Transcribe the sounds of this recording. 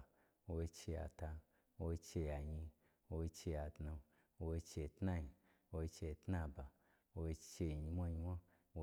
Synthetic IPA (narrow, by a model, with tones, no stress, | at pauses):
wo˧i˧t͡ʃe˧ja̰˨ta˧ | wo˧t͡ʃe˧ja˨ɲi˧ | wo˧i˧t͡ʃe˧ja˧tna˧ | wo˧i˧t͡ʃe˧tna˦ji˧ | wo˧t͡ʃe˧˨tna˦˧˨ba˨ | wo˧i˧t͡ʃe˧˨ɲi˧mʷa˦ɲi˧mʷa˦ | wo˧